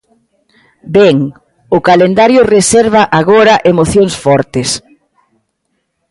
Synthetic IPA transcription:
bɛŋ | ʊkalend̪aɾjʊresɛɾβɐʔaɣoɾɐʔemoθjoŋsfɔɾt̪es

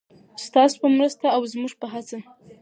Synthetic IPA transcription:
st̪ɑso̥pəmɾəst̪aːwzmuʐpəɦat͡sa

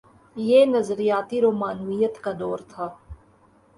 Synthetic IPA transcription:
jeːnɐzɾijaːt̪iɾoːmaːnuijət̪kad̪ɔːɾt̪ʰaː

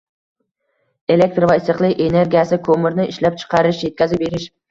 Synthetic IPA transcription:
e̞le̞k̚t̪ɾvajɪsɨqlˠɪkʲene̞ɾɡʲijasɪkʰomɪɾnɪɪʃlap̚t͡ʃʰɨ̥qʰɑɾɪʃje̞t̪̚kʲazɪp̚beɾɪʃ

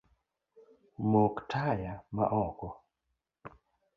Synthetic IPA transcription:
moktʰajama̰ʔɔkɔ

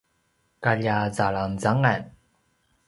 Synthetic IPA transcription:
kaljaːt͡salamt͡saŋan

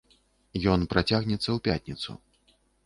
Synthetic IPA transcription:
jɔnpɾat͡sʲaɣnʲɛt̪sːɐwpʲat̪ʲnʲit̪sṵ

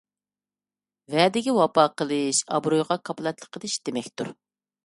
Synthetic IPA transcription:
vɛd̪ɪɡʲɛwɑpɑːqəlˠɨʃɑ̰bɾujʁɑkʰɑplˠɑt̪lˠə̥qʰːəd̪ɨʃd̪̥emɛkʲt̪uɾ

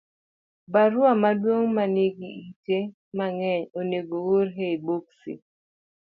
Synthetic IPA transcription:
baɾʊamadwoŋmaneɡiite | maŋɛɲoneɡooɾɦeiboksḭ

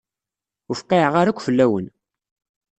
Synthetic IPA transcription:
ʊfqːeʕʁaɾakʷːfəlːæwən

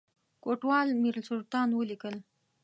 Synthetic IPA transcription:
koʈwɑlmiɾlsʊlt̪ɑnwəlikəl

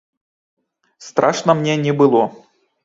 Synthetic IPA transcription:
st̪ɾʔaʂnəmnʲenʲɪbɨlˠɔ

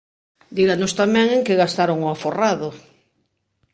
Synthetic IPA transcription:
d̪iɣanost̪amɛ̃ŋẽŋkeɣast̪aɾoŋʊaforaðʊ

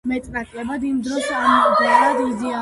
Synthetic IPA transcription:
mɛt̪ʼnakʼlɛbad̪imd̪ɾɔʃamɔkʼd̪ɛbbad̪izia

